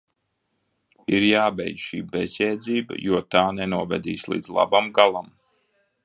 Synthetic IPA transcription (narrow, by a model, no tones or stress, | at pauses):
iɾjaːbɛjd̪ʃḭːbɛzʲjɛːd̪ziːbə̰juɔt̪aːnɛnuɔvɛ̰d̪ḭːslˠḭːd̪zlˠa̰bamɡalˠam